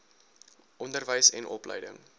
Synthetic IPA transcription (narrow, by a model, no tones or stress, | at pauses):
ʔɔndərvəjsɛ̰nʔɔ̰plə̰jdə̰ŋ